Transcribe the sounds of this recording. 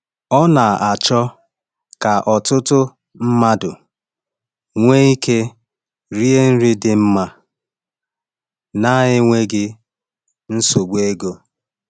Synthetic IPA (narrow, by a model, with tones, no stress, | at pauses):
ɔ˦na˨a˨t͡ʃɔ˦ | ka˨ʔɔ˨tʊ˦tʊ˦ | m̩˦ma˦dʊ˨ | ŋʷe˦i˦kʰe˦ | ɾi˦e˦n̩˦ɾi˦dɪ˨m̩˦ma˦ | na˦ɦɪ˦ŋʷe˦ɡɪ˦ | n̩˦so˨ɡ͡be˦ɡo˦